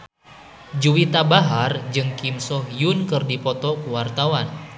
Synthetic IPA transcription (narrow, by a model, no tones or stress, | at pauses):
d͡ʒuwit̪abaɦard͡ʒɨŋkimsɔhjunkɨrdipɔt̪ɔkuwart̪awan